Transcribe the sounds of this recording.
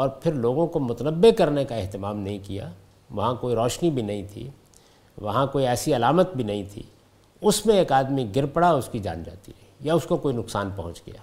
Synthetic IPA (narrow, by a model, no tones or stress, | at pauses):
ɔːɾpʰɪɾloːɡõkomʊt̪ənəbːekɐɾnekaɪɦt̪ɪmaːmnɐɦĩkija̰ | ʋɐɦãkoːiɾɔːʃnibʱinɐɦĩt̪ʰḭ | ʋɐɦãkoːiɛːsiɐlaːmət̪̚bʱinɐɦĩt̪ʰḭ | ʊsmẽeːkaːd̪miɡɪɾpəɽaɔːɾʊskid͡ʒa̰ːnd͡ʒa̰ːt̪ḭɾɐɦijaʊskokoːinʊksaːnpɐɦʊ̃t͡ʃɡɐ̰ja̰ː